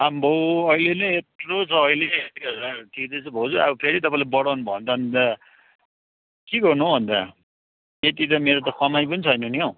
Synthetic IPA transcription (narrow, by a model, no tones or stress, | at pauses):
ambʱoʌilenʌet̪rot͡sʰʌːileet̪iɡʌɾlaʈʰikd̪ʌjt͡sʰʌbʱʌt͡sua̰bʌpʰeɾit̪ʌpãĩlabʌɽawnubʱʌnt̪ʌʌnd̪ʌ | kiɡʌrnuobʱʌnd̪a | ket̪it̪ʌmeɾot̪ʌkʌmajpʌnit͡sʰʌjnʌniɦo